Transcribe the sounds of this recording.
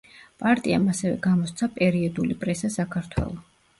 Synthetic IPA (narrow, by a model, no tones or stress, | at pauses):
pʼaɾt̪ʼia̰masɛvɛɡamɔst̪sʰapʼɛɾiɔd̪ulipʼɾɛsasakʰaɾt̪ʰwɛ̰lˠɔ